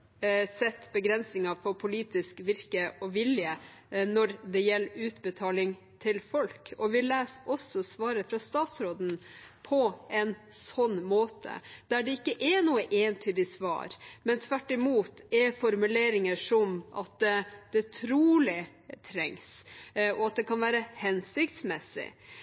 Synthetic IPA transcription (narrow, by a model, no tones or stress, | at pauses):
sɛt̪ːbəɡɾɛnsnɪŋɑfɔɾpʰʊliːt̪ɪskʋɪɾkəʔɔʋɪljə | nɔɾd̪ɛjɛlːʉːt̪bət̪ʰɑːlɪŋ | t̪ʰɪlfɔlkɔʋɪlæːsɔsːɔsʋɑːɾəfɾɑst̪ɑːt̪sɾoːd̪n̩pʰɔɛnsɔnːmoːt̪ʰə̰d̪̥æɖɛɪkːəʔɛnuːəʔeːnt̪ʰyːd̪ɪsʋɑ̰ːɾmɛnt̪ʰʋæʈːɪmuːt̪ɛfɔɾmʉleːɾɪŋəʂɔmʔɑ̰t̪̚d̪ɛd̪̥ɛt̪ʰɾuːlɪ | t̪ʰɾɛŋsɔɑt̪̚d̪ɛkʰɑnʋæːɾəhɛnsɪkt̪smɛsːɪ̰